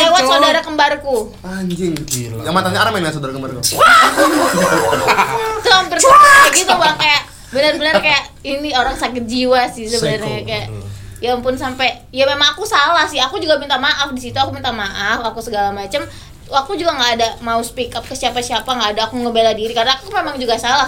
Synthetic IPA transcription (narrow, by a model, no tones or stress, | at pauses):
lewat̪sodaɾakəmbarku | aɲd͡ʒɪŋɡəbilajamat̪aɲaaɾamɛnasodaɾakəmbarkuwa | səlampərsuaɡit̪ubakajaʔ | bənərbənərkajaʔinioɾaŋsakɪt̪̚d͡ʒiwasɪs̬əbənərajakajaʔjaŋpʊnsampɛ | jamemaŋakusalahsɪhakud͡ʒuɡabint̪amaʔafdisit̪uakubint̪amaʔafakusəɡalamat͡ʃam | wak̚t̪ud͡ʒuɡaŋɡaːdamausə̥pikap̚kəsiapasiapaŋɡaːdaːkuŋəmbeladiɾikaɾənaːkumemaŋd͡ʒuɡasala